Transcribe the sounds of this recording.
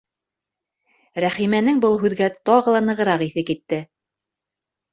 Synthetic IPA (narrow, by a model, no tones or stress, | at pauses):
ɾæχimænɘŋbɤlˠɦʉðɡæt̪ɑʁɤ̆lˠɑnɤ̆ʁɤ̆ɾɑqiθɘkit̪ːɘ